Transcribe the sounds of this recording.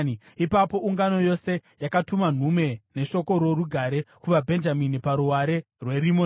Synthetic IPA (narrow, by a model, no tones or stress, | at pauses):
ipapo̞ʔuŋɡano̞jo̞se̞jakatuman̤ume̞ne̞ʃo̞ko̞ɾo̞ruɡʱaɾe̞kuʋabʱe̞nd͡ʒaminipaɾuwaɾe̞ | rwe̞ɾimo